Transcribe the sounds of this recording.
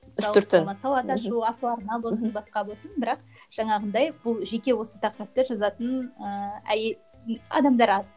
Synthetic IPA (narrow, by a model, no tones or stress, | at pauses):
ʏsʊɾt̪əmɑsɑwɑt̪ɑʃuɑt̪uɑɾnɑbo̞lˠsənbɑsqɑbo̞lˠsənbɪɾɑq̚ | ʒ̥ɑɴɑʁənd̪ɑjb̥ʊlˠʒe̞kʲe̞wo̞sət̪ʰɑqɾəp̚t̪əʒɑzɑt̪ənəæ̰je | ɑ̰d̪ɑmd̪ɑɾɑz